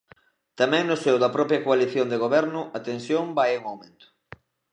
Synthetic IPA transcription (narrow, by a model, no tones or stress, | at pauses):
t̪amɛ̃ŋnʊsewðɐpɾɔpɾjɐkoaliθjond̪eɣ̞oβɛɾnʊʔat̪ensjombajuŋawmẽnt̪ʊ̥